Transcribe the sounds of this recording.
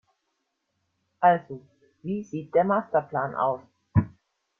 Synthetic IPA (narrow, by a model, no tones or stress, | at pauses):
ʔalzo | viːziːt̚d̥eːɐmaːstɐpl̥aːnʔa̰ʊs